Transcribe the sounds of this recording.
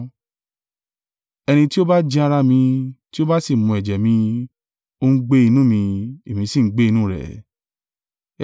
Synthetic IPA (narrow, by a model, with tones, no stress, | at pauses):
ɛ˧nĩ˧ti˦o˦ba˦d͡ʒĩ˧a˧ɾa˧mĩ˧ti˦o˦ba˦si˦˨mũ˧ɛ˨d͡ʒɛ˨mĩ˧ | o˦n̩˦ɡ͡be˦i˧nũː˦mĩ˧e˨mĩ˨˧˦si˦˨ŋ̩˦ɡ͡be˦i˧nũː˦˨ɾɛ̰˨